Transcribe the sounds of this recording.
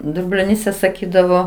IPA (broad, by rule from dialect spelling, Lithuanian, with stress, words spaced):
dʊbʲlʲoːˈnʲiːsʲɛ sɐˈkʲiːdɐʋoː